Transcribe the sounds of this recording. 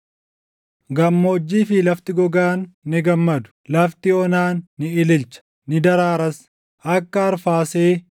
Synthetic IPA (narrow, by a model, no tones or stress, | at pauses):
ɡɐmːo̞ːd͡ʒːiːfɪlɐft̪ɪɡɔɡaːnːɪɡɐmːɐd̪ʊ̥lɐft̪ɪɔnaːnːɪɪlɪlt͡ʃɐ̥ | nɪd̪ɐɾaːɾɐs | ʔɐkːɐːɾfaːseː